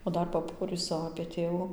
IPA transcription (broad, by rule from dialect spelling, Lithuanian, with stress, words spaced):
oː ˈdɐr pɐˈpoːrʲiːsʊ ɐpʲeː ˈtʲeːʋʊ